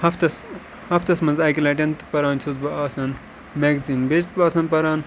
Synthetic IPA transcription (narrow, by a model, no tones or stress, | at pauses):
hɐft̪ɐs | hɐft̪ɐsmɐnzaːkilɐʈʲɐnt̪pɐɾaːnt͡ʃʰuzbɐaːsɐn | meɡzinbet͡ʃt̪baːsɐnpɐɾaːn